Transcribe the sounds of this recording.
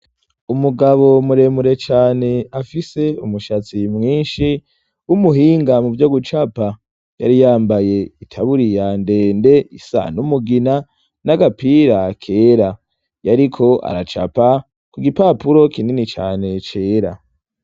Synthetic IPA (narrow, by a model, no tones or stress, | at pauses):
umuɡaβo̞muɾe̞muɾe̞t͡ʃaːne̞afise̞umuʃat͡simŋiːnʃi | wumuɦiːŋɡamuvjoɡut͡ʃapa | ja̰ɾijaːmbaje̞itʰaβuɾijande̞ːnde̞isa̰numuɡina | naɡapiːɾakʰe̞ːɾa | jaɾikʰo̞ʔa̰ɾa̰t͡ʃa̰pa | kuɡipapuɾo̞kininit͡ʃa̰ːne̞t͡ʃe̞ːɾa